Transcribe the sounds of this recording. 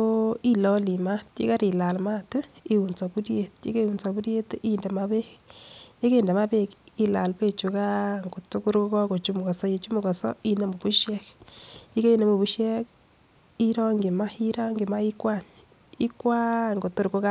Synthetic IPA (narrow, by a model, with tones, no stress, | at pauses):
o˦i˦lɔ˦li˨ma˦tḭ˦ka˦ɾi˨la˨lma˦ti˦wu˨nt͡sɔ˨bu˦ɾje˨tḭ˦ke˦˨u˨nt͡sɔ˨bu˦ɾje˦tʔi˦ndɛ˨ma˦βe˦ | je˦ke˦˨nde˨ma˦be˦˨ki˨la̰˨lpe˦t͡ʃu˨ka˦ŋɡo˨to˦ku˦ɾko˦kɔ˦ko˨t͡ʃu˦mu˨kɔ˨sɔ˦je˨t͡ʃu˦mu˨kɔ˨sɔ̰˦i˦ne˨mu˨bu˦ʃjɛ˦kji˦ke˦i˦ne˨mu˨βu˨ʃjɛ˦k | i˦ɾɔ˦ŋɡi˨ma˦i˦ɾɔ˦ŋɡi˨ma˦i˦kwa˦˨ɲ | i˦kwa˦ŋɡo˨to˦ɾko˦ka˦